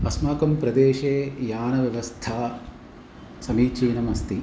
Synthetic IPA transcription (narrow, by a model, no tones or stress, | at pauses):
ɐsmaːkɐmpɾɐd̪eːʃeːjaːnɐʋjɐʋɐst̪ʰaː | sɐmiːt͡ʃiːnɐmɐst̪i